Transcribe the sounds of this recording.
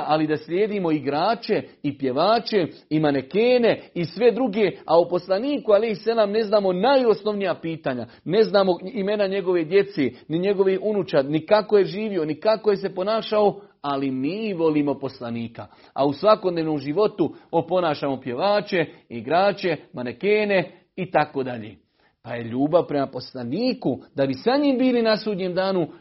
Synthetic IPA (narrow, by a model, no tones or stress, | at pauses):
ʔalid̪asʎʲjeːd̪imo̞iɡɾaːt͡ʃeipje̞ʋaːt͡ʃe̞imane̞keːne̞isʋe̞d̪ɾuɡe̞aupo̞slˠaniːkuale̞jsalaːmne̞znaːmo̞najosno̞ʋnijapiːt̪aːɲa̰ | ne̞znaːmo̞ime̞naɲe̞ɡo̞ʋeːd̪je̞t̪se̞ːniɲe̞ɡo̞ʋihunut͡ʃanikako̞je̞ʒiːʋio̞nikako̞je̞se̞po̞naːʃao | alimiːʋo̞liːmo̞po̞slaniːka | a̰usʋako̞d̪neːʋnoːmʒiʋo̞t̪uopo̞naːʃaːmo̞pje̞ʋaːt͡ʃe̞iɡɾaːt͡ʃe̞manekeːne̞ | it̪ako̞ːd̪aʎḛː | paje̞ʎuːbaʋpɾe̞mapo̞slaniːkud̪̥abisaɲiːmbiːlinasuːd̪ɲeːmd̪aːnu